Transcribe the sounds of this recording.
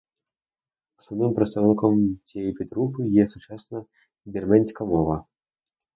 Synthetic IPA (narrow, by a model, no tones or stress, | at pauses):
usɐnɪmpɾɐt̪st̪ɐwnkɔmt͡sʲɛjipʲɛt̪ɾupɨjɛsut͡ʂasnɐ | bʲɛrmɛnʲsʲkɐmɔvɐ